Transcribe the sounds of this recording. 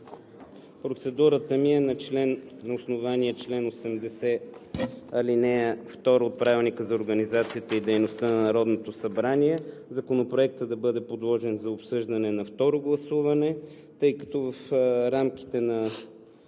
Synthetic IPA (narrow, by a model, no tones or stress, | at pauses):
pɾot̪sɛd̪uɾət̪əmiɛnɐt͡ʃlɛnːosnovaniɛt͡ʃlɛnosɛmd̪ɛsɛ | ɐlinɛft̪ɔɾəot̪̚pɾavilˠnikəzɐoɾɡɐnizat̪sijət̪əid̪ɛjnost̪ənɐnɐɾɔd̪not̪osɐbɾaniɛzɐkonopɾoɛk̚t̪əd̪ɐbɤd̪ɛpod̪lˠɔʒɛnzɐopsɤʒd̪ɐnɛnɐft̪ɔɾoɡlˠɐsuvɐnɛ | t̪ɤjkɐ̥t̪ɔvəfɾamk̟i̥t̪ɛnɐ